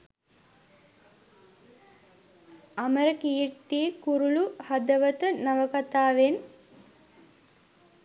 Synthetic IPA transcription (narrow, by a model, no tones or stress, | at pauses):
ɐməɾəkiːrt̪ːikuɾuluhad̪əʋət̪ənaʋəkat̪aːʋen